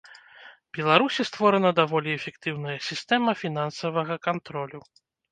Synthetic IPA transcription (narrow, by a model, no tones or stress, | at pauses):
bʲɛlˠaɾusʲist̪vɔɾɐnɐd̪avɔlʲiɛfʲɛkt̪ɨwnɐjɐsʲist̪ɛmɐfʲinansɐvɐɣɐkant̪ɾɔlʲu